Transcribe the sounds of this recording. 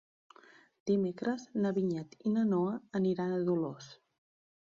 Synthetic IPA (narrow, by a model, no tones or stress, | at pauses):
d̪̥imekɾəznəβiɲɛt̪inənoəəniɾanəðulos